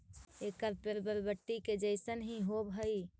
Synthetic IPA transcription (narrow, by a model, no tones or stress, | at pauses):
ekəɾpəɾbəɾbəʈːiked͡ʒəɪsənɦĩɦobɦəi